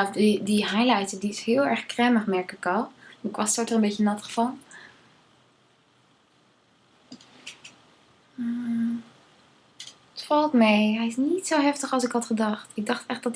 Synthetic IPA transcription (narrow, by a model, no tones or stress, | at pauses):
fdidiɦajlajtədiɪshɪːlˠɛɹχkrɛməχmɛɹkɪkɔlˠɪkʋɑssɔtərəmbejçənɑtχfɑlˠ | ətfɑlˠtmejɦɛjɪsnitsowɦɛftəχɑlˠsɪkɑtχədɑχtɪɡ̚dɑχtɛχdɑt